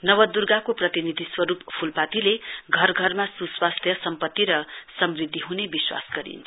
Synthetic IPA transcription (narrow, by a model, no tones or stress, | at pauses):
nʌwʌd̪urɡakoprʌt̪inid̪ʱiswʌɾuppʰulpat̪ileɡʱʌrɡʱʌrmasuswast̪ʰjʌsʌmpʌt̪ːiɾʌsʌmrid̪ʱːiɦunebiswa̰sɡʌɾḭnt͡sʰ